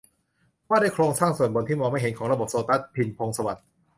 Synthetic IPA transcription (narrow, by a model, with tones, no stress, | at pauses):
waː˥˩da˥˩jkʰɾoː˧ŋsaː˥˩ŋsu˨˩ənbo˧nt̪ʰiː˥˩mɔː˧ma˥˩jɦe˩˦nkʰɔː˩˦ŋɾa˧bo˨˩p̚soː˧t̪a˦˥˩t̪̚pʰi˧npʰo˧ŋsa˧wa˨˩t̪̚